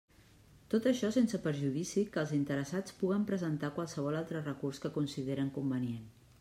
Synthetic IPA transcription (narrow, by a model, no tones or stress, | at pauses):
t̪ot̪əʃɔsensəpəɾʒuðisikəːlˠzint̪əɾəsat͡spuɣəmpɾəzənt̪akwalˠsəβ̞ɔlalˠt̪ɾərəkurskəkunsiðeɾəŋkumbənien